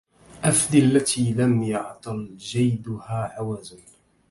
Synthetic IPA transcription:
ʔafd̪ialːat̪ʰiːlamjɑʕt̪ˤɨld͡ʒajd̪ʊhaːʕawaːzʊn

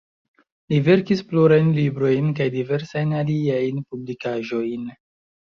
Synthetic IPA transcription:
live̞ɾkispluɾajnlibɾo̞jnkajdive̞ɾsajnaliajnpublikaʒo̞jn

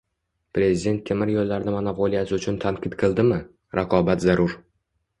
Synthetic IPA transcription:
pɾe̞zid̪e̞nt̪̚kʲʰemɪɾjolːaɾnamanapolijasɪʊt͡ʃʰʊnt̪ʰaŋqʲʰɪt̪qʰɨlˠd̪ɪmɪ | ɾʔaqʰɒbat̪zaɾʊɾ

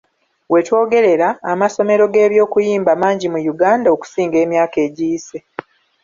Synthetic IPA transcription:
we̞two̞ːɡe̞ɾe̞ɾaːmaso̞me̞ɾo̞ɡe̞ːβjo̞ːkujiːmbamaːɲɟimujuɡaːndao̞ku̥siːŋɡe̞ːmjaːke̞ːɟiːse

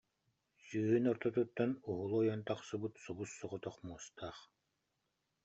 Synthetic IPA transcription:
syːɦynɔɾt̪ɔt̪ut̪ːɔnuɦulˠuɔjɔnt̪aχsɯbut̪subusːɔʁɔt̪ɔχmuɔst̪aːχ

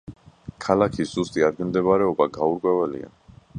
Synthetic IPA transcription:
kʰalakʰiszust̪ʼiad̪̚ɡɛmd̪ɛbaɾɛɔbaɡauɾkʼwɛvɛlḭa̰n

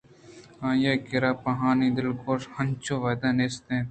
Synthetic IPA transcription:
ãːjeːkɪɾaːpɐɦaːniːd̪ɪlkoːʃhɐnt͡ʃoːʋɐːd̪aːneːst̪ẽː

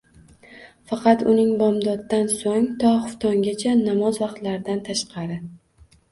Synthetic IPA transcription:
fɑqɑt̪ʊnɪŋbɒmd̪ɒd̪ːansoŋt̪ʰɒχʊft̪ʰɒŋɡʲat͡ʃʰanamɒzvɑqt̪laɾɪd̪ant̪ʰaʃqɑɾɪ

